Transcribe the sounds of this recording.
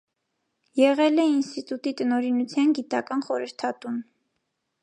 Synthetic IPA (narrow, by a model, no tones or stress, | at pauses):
jɛʁɛlɛinst̪it̪ut̪it̪ənɔɾinut͡sʰjɑnɡit̪ɑkɑnχɔɾəɾt̪ʰɑt̪un